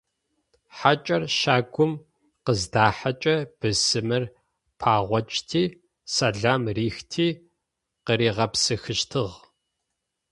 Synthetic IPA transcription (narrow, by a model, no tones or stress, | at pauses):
ħat͡ʃʼɐrʃaːɡʷʊm | qəzdaːħat͡ʃʼɐb̥ɨsɨmɨr | pʰaːʁʷɔt͡ʃʼtʰiː | sɐɮaːmriːxtʰiː | qəɾiːʁɐpsɨxɨʃtʰɨʁ